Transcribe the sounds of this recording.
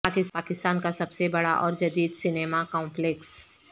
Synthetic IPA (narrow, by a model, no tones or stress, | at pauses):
akɪspaːkɪst̪aːnkasɐbsebɐɽaʔɔːɾd͡ʒɐd̪iːd̪sɪneːmakɔ̃ːmpleks